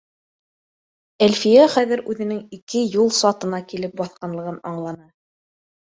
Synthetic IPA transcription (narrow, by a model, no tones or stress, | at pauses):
ælfijæχæðɘ̆ɾʉðɘ̆nɘŋikɘjulˠsɑt̪ɤ̆nɑkilɘp̚bɑθqɑnlˠɤ̆ʁɤnɑɴlˠɑnɑ